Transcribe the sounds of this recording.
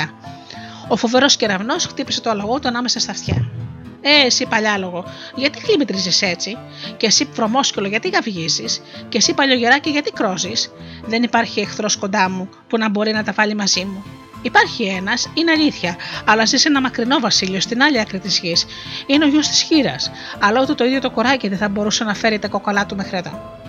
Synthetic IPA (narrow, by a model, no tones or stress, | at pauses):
ɐ | o̞fo̞ve̞ɾo̞sce̞ɾɐvno̞sxt̪ipise̞t̪o̞ɐlɐɣo̞t̪uɐnɐme̞sɐst̪ɐft̪çɐ̰ | esipɐʎɐlo̞ɣo̞ | ʝɐt̪ixlimit̪ɾizise̞t͡si | ce̞sifɾo̞mo̞scelo̞ʝɐt̪iɣɐvʝiziscesipɐʎo̞ʝe̞ɾɐce̞ʝɐt̪ikɾo̞zisðe̞nipɐɾçie̞xθɾo̞sko̞nd̪ɐmu | punɐbo̞ɾinɐt̪ɐvɐʎimɐzimu | ipɐɾçienɐsineɐʎiθçɐɐlɐzise̞nɐmɐkɾino̞vɐsiʎio̞st̪inɐʎiɐkɾit̪izʝis | ineo̞ʝost̪i̥sçiɾɐ̰s | ɐlɐot̪it̪o̞iðjo̞t̪okoɾɐciðeθɐbo̞ɾusɐnɐfe̞ɾit̪ɐko̞ko̞lɐt̪umexɾeðo̰